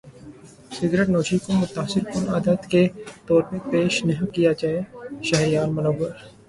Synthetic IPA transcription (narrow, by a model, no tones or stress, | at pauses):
sɪɡɾeʈnoːt͡ʃʰikomʊt̪aːsɪɾpʊnaːd̪ət̪ket̪ɔːɾpẽpeːʃnɐɦĩkijad͡ʒaːeʃɐɦɾijaːnmɐnoːbəɾ